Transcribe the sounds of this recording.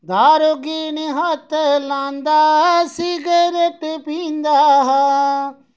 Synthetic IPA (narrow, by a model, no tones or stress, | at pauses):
d̪aːɾoːɡiːneɦat̪ʰːlãːnd̪aːsiːɡeɾeʈ̪pĩːnd̪aːɦ